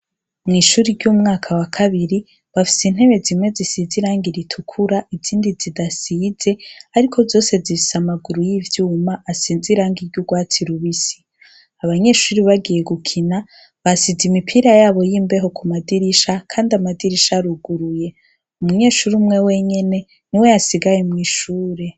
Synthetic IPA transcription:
mŋiːʃuːɾiɾɟumŋaːkʰawakʰaβiɾi | βafi̥sin̥he̞βe̞zimŋwe̞zisiːziɾaːŋɡiɾitʰukʰuɾaʔiziːndizidasiːze̞aɾikʰo̞zo̞ːse̞zifi̥samaɡuɾujivjuːmaʔasiːnziɾaːŋɡiɾɟuɡwaːtʰiɾuβisi̥ | aβaɲe̞ːʃuːɾiβaɡije̞ɡukʰina | βasizimipʰiːɾajaːβo̞jiːmbe̞ɦo̞kumadiɾiʃakʰaːndiamadiɾiʃaɾuɡuɾuje̞ | umuɲe̞ːʃuɾiumŋe̞we̞ɲe̞ne̞ | niwe̞jasiɡajemŋiːʃuːɾe

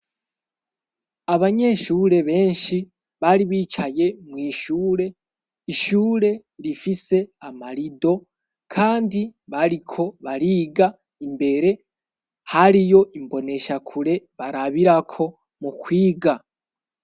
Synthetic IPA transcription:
aβaɲe̞ʃuːɾe̞βe̞ːnʃi | βaɾiβiːt͡ʃaje̞mwiːʃuːɾe̞ | iʃuːɾe̞ | ɾifise̞amaɾido̞ | kʰaːndiβaɾikʰo̞βaɾiːɡa | imbe̞ɾe̞ | haɾijo̞ʔimbo̞ne̞ʃakʰuɾe̞βaɾaβiɾakʰo̞ | mukwiːɡa

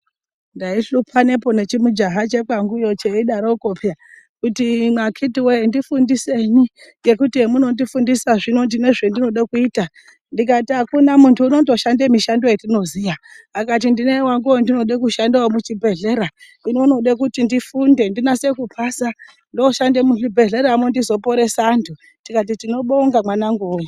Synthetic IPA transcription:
ndaiɬupʰane̞po̞ne̞t͡ʃimud͡ʒaɦat͡ʃe̞k͡paŋɡujo̞t͡ʃeiɗaɾokopja | kutimakʰitiwendifundise̞ni | ŋɡe̞kutiemuno̞ndifundisaʐino̞ndine̞ʐendino̞ɗakuiːta | ndik̬atiakunamuntʰuːno̞to̞ʃandemiʃando̞jetino̞ziʋa | akat̬indinewaŋɡuondino̞ɗek̬uʃandaomut͡ʃibʱe̞ɮe̞ɾa | inuno̞ɗekutindifunde̞ndinase̞kupʰasa | ndoʃandemut͡ʃibʱe̞ɮe̞ɾamondizo̞po̞ɾe̞saːntʰu | tikat̬itino̞ɓoŋɡamwanaŋɡuwe

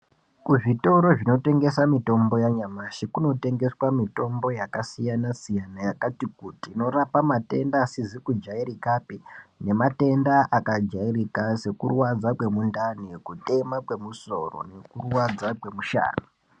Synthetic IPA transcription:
kuʐito̞ɾo̞ʐino̞te̞ŋɡe̞samito̞mbo̞jaɲamaʃikuno̞te̞ŋɡe̞swamito̞mbo̞jakasijanasijanajakatikutino̞ɾapamate̞̰ndaːsizikud͡ʒairikapine̞mate̞ndaʔakad͡ʒairikase̞kurwad͡zakwe̞mundanikute̞makwe̞muso̞̰ro̞̰ne̞kurwad͡zakwe̞muʃa̰ːni

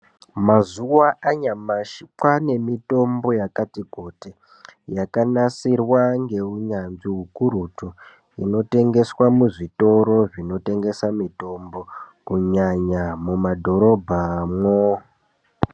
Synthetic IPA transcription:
mazuwaʔaɲamaʃikwane̞mito̞mbo̞jakatiɡʱote | jakanasirwaŋɡe̞uɲanʐiɦukuɾutu | ino̞te̞ŋɡe̞swamuʐito̞ɾo̞ʐino̞te̞ŋɡe̞samito̞mbo̞kuɲaɲamumadʱo̞ɾo̞bʱamwo

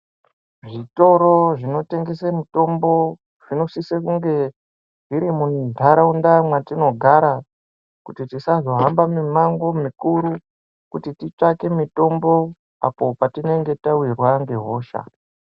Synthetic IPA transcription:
ʐito̞ɾo̞ʐino̞te̞ŋɡe̞semito̞mbo̞ | ʐ̥ino̞sisekuŋɡe̞ | ʐiɾimundʱaɾaundamwatino̞ɡʱaɾa | kutitisazo̞ɦambamimaŋɡo̞mikuɾu | kutitit͡ʂake̞mito̞mbo̞ | a̰po̞patine̞ŋɡe̞tawirwaŋɡe̞ɦo̞ːʃa̰

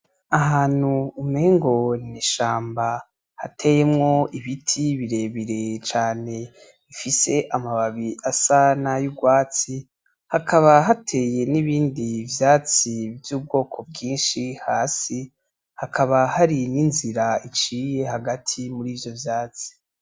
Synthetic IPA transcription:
aɦaːn̥huːmeːŋɡo̞niʃaːmba | ha̰tʰe̞jemŋo̞iβitʰiβiɾe̞ːβiɾe̞t͡ʃaːne̞ | βifise̞ʔamaβaβiasanajuɡwaːt͡si | hakʰaβaɦatʰe̞ːje̞niβiːndivjaːt͡sivjuːb̚ɡo̞ːkʰo̞b̚ɡiːnʃihaːsi | hakʰaβahaɾininziɾait͡ʃiːje̞haɡatʰimuɾiːvjo̞vjaːt͡si̥

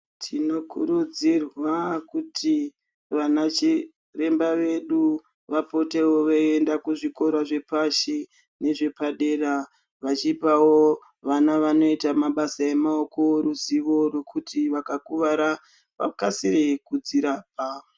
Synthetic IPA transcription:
tʰino̞kʰuɾud͡zirwakutʰi | ʋanat͡ʃi | re̞mbaʋe̞ɗu | ʋapo̞te̞woʋeendakuʐiko̞ɾwaʐe̞paʃi | ne̞ʐe̞paɗe̞ːra | ʋat͡ʃipawo | ʋanaʋano̞itamaɓasae̞maokoɾuziʋo̞rwekʰutiʋakakuʋaɾa | ʋa̰kasirekud͡ziɾap̚a

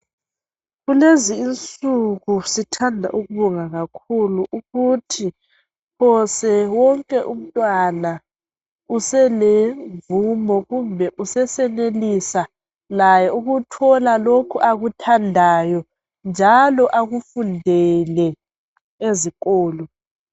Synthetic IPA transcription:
ɣuleziːnt͡sʼuɣusitʰandʱa̰ʔuɣuβɔŋaɣakʰuluʔuɣutʰi | pʰɔsɛwɔŋkʼɛʔum̩tʼwana | usɛlevumɔɣumbʱɛʔusɛsɛnelisa | lajɛuɣutʰɔlalokʰuʔaɣutʰandʱajɔ | nd͡ʒʱalɔʔaɣufundʱɛlɛ | eziɣɔːlɔ

